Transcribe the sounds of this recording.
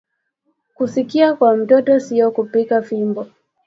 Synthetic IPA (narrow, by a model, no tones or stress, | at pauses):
kusikiakwam̩tɔtɔsiɔkupikafimbɔ